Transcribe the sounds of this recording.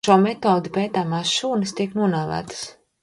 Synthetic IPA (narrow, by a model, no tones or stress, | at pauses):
ʃuɔmɛt̪ɔːd̪ipɛːt̪aːmaːsʃuːnɨst̪iɛknuɔnaːvæ̰ːt̪ə̥s